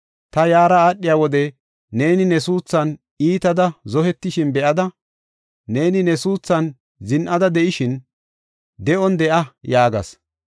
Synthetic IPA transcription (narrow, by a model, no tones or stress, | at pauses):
t̪ɐjaːɾɐaːɗːɪjaːwɔd̪ɛ | ne̞ːnɪnɛsuːt͡sːɐn | iːt̪ɐd̪ɐzɔhɛt̪ːɪʃɪnbɛʔɐd̪ɐ | ne̞ːnɪnɛsuːt͡sːɐn | zɪnʔɐd̪ɐd̪ɛʔɪʃɪn | d̪ɛʔɔnd̪ɛʔɐjaːɡɐ̰s